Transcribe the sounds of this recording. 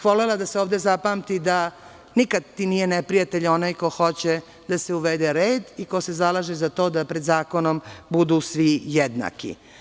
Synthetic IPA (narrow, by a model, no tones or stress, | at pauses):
xʋolelad̪aseoːʋd̪ezapaːmt̪id̪a | nikad̪t̪ːinijenepɾijat̪eʎo̞naːjko̞xo̞t͡ɕe | d̪aseuʋed̪eɾeːd̪ikose̞zalaːʒezat̪o̞ːd̪apɾed̪zaːkonombud̪usʋijed̪na̰kḭ